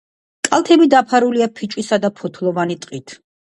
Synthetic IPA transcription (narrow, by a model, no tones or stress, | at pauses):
kʼalˠt̪ʰɛbid̪apʰaɾuliapʰit͡ʃʼisad̪apʰɔt̪ʰlˠɔvanit̪ʼqʼit̪ʰ